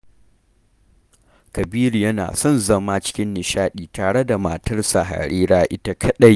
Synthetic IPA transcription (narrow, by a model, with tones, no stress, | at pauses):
kɐ˨biː˦ɾi˨jɐ˦na̰ː˨sɔ˦˨nzɐ˦maː˦t͡ʃɪ̥˦kʲɪ˦nːɪ˨ʃaː˦ɗiː˨taː˨ɽe˦da˨maː˨tɐ˦rsa˨ɦa̰˨ɾiː˦ɾaː˦ʔɪ˦ta˦kʰɐ˦ɗɐ˦˨j